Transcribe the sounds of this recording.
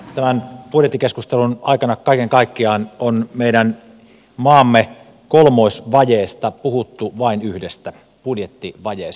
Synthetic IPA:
t̪æmænpudjet̪ːikeskust̪elunɑikɑnɑkkɑikeŋkɑikːiɑːnonmeiɾæn | mɑːmːe | kolmoˑisʋɑjeːst̪ɑpuhut̪ːuʋɑinyhdest̪æ | pudjet̪ːiʋɑjeːs

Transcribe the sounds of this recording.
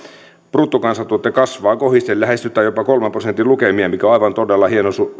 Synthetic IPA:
prut̪ːukɑnsɑt̪t̪uot̪ːˑekɑsʋɑːkohist̪ellæhest̪yt̪ːˑæjopɑkolmemprosent̪ːˑilukemiemikæoɑiʋɑnt̪odelːɑhienosu

